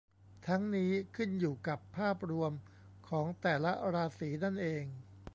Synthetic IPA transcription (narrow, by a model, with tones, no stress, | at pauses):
t̪ʰa˦˥ŋniː˦˥kʰɯ˥˩njuː˨˩ka˨˩pʰːaː˥˩p̚ɾu˧əm | kʰɔː˩˦ŋt̪ɛː˨˩la˦˥ɾaː˧siː˩˦na˥˩nʔeː˧ŋ